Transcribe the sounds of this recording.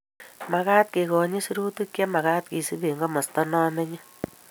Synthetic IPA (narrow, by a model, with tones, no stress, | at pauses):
ma˨kaː˦t̪̚ke˨kɔ˨ɲi˦su˦ɾu˦tu˦kjɛ˦ma˨ka˦t̪̚ki˨si˦be˨ŋɡɔ˦mɔ˨stɔ˦nɔː˦me˦ɲi˦